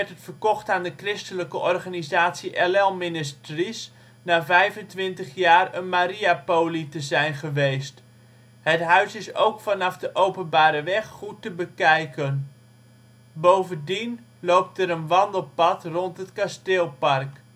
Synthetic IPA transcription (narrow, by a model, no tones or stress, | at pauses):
ɛtətfərkɔχtaːndəkrɪstələkəʔɔrχanizaːtsiʔɛlɛlˠmɪnɪstris | naːvɛjvəntʋɪntəχjaːrənmaɾiapowlitəzɛjnχəʋejst | ɦətɦœɥsɪso̰wkfɑnɑfdəʔowpənbaːɾəʋɛχχutəbəkɛjkən | bowvəndin | lowp̚təɾənʋɑndəlˠpɑtrɔntɦətkastɪːlˠpɑrk